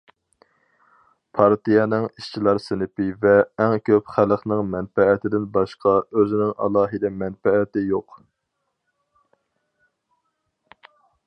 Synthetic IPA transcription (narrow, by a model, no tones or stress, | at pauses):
pʰɑɾt̪ijɑnɨŋiʃt͡ʃʰilˠɑɾsɪnɪpɪvɛːŋkʲʰøpχæləχnɨŋmɛnfɛːt̪ʰɪd̪ɪnbɑʃqʰɑøzɪnɪŋʔɑ̰lˠɑːɦɨd̪ɛmɛnfɛːt̪ɪjoq